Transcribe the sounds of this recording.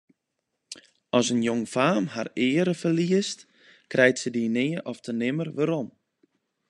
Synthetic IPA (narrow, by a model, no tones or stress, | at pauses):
ɔsənjoŋfaːmharɪːəɾəfərliəst | krʔɛjtsədinɪːəʔɔftʰənɪmərʋəɾɔm